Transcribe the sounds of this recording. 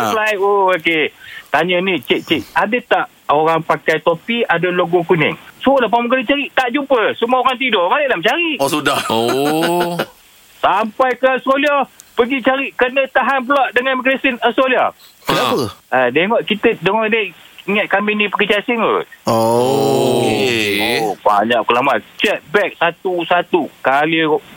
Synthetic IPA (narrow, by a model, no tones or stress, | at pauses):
əplajooket̪aɲənit͡ʃeʔt͡ʃeʔadət̪aʔ | oɾaŋpakajt̪opiadəloɡokunɪ̰ŋsuɔlahpaməkəɾint͡ʃaɾiʔt̪aʔd͡ʒupəsuməoɾaŋt̪̬idɔmaneʔlamt͡ʃaɾiʔsudaho | sampajkəskoliɔhpəɡit͡ʃaɾiʔkənət̪aɦanplɔʔ̚dəŋanməklesinəskoliah | kapəadeŋɔʔkit̪ədəŋɔʔdeiŋat̪̚kaminipəkit͡ʃasiŋo̰o | oba̰ɲaʔ̚kəlamat͡ʃɛt̪̚bɛk̚sat̪usat̪ukaliʔ